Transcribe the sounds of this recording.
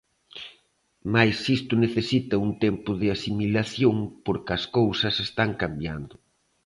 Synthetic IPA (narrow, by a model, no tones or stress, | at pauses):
majsist̪ʊneθesit̪ɐunt̪ɛmpʊðɪasimilaθjoŋpoɾkɪɐskowsɐsest̪aŋkambjand̪ʊ